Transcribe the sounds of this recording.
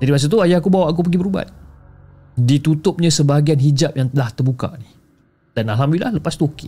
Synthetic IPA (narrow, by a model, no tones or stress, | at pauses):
d͡ʒadimas̬at̪̬uajakubawaʔak̬up̬əɡibəɾuba̰t̪̚ | dit̪ut̪ʊp̚ɲãsəbaɡianɦid͡ʒap̚jaŋt̪əlaht̪ərbuka̰ni | danaɦamilahləpast̪uakɪ